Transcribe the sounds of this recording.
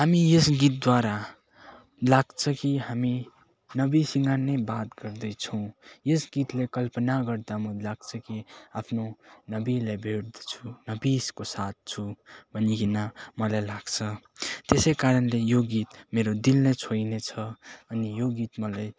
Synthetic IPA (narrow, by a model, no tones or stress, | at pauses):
ɦamijesɡit̪̚d̪waɾa | laɡt͡sʰʌkiɦami | nʌbisiŋɡanʌjbat̪ɡʌrd̪ʌjt͡sʰʌw̃jesɡit̪lekʌlpʌnaɡʌɾd̪amʌlaɡt͡sʰʌkiapʰnonʌbilajbʱeʈd̪ʌ̥t͡sʰunʌbiskosat̪̚t͡sʰubʱʌnikinamʌlajlaɡ̥t͡sʰʌ | t̪esʌjkaɾʌnlejoɡit̪meɾod̪ilnʌjt͡sʰojnet͡sʰʌʌnijoɡit̪mʌlaj